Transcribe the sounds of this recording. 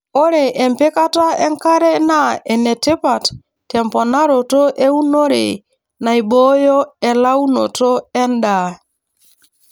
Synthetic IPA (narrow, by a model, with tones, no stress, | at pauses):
o˦ɾe˨ʔɛ˨mpɪ˦ka˦ta˦ɛ˦ŋka˦ɾe˦na˦˨ɛ˨nɛ˨te˦pa˨t | tːɛ˨mpɔ˨na˦ɾo˨to˦ʔe˦u˦no˦ɾḛ˨ | na˨i˨ɓo˦jɔ˦ɛ˨la˦u˦no̰˨to˦ɛ˦nda˨